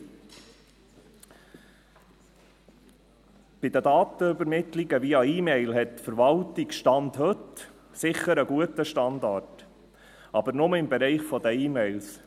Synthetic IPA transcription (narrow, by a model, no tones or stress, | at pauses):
b̥ɪd̪əd̪ɑːt̪əʏbəɾmɪt̪liɡəʋiɑiːmɛɪlɦɛtːfəɾvɑltiɡʃtɑndhɵt | sɪχəɾəɡuətəʃtɑnd̪ɑt | ʔɑbəɾnʊməɪmbɛɾɛɪχfɔd̪əiːmɛɪls